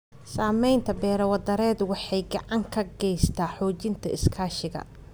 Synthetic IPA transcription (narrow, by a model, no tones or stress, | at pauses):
saːmɛjnt̪ʰɐbɛːɾɐwɐd̪ɐɾɛːd̪wɑħɑjɡɑʕɑŋkʰɐɡɛjst̪ʰaːħɔːt͡ʃɪnt̪ʰɐɪskʰaːʃɪɣɐ̰